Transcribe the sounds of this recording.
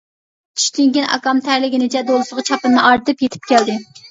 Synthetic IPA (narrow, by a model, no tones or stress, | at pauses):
t͡ʃʰy̥ʃt̪yŋkʲinʔɑ̰kɑmt̪ʰæɾlɪɡʲinɪt͡ʃʰɛd̪olˠɨsəʁɨt͡ʃʰɑpɨnːɨʔɑɾt̪ɨpjet̪ʰɪ̥p̚kʲʰɛld̪ɪ